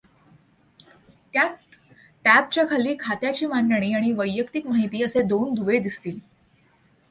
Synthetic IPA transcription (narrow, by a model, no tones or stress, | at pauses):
t̪jat̪ | ʈæb̚t͡ɕjakʰaliːkʰat̪jat͡ɕiːmanɖəɽ̃iːaɽ̃iʋəjːəkt̪ikmaɦit̪iːəsed̪ond̪uʋed̪ist̪iːl